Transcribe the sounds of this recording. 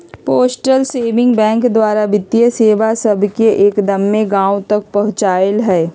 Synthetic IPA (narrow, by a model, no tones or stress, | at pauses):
poːsʈəlseːʋɪ̃ŋɡbɛ̃ːŋkd̪waːɾabɪt̪ijəseːʋasɐbʱkeʔeːkd̪ɐmːẽɡãːwt̪ɐk̚pɐɦʊ̃t͡ʃaːəlɦɛː